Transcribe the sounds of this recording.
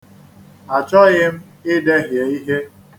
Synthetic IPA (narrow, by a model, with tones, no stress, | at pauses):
a˨t͡ʃɔ˦ɣɪ˦m̩˦ | ɪ˦de˦ɦje˨i˦ɦe˦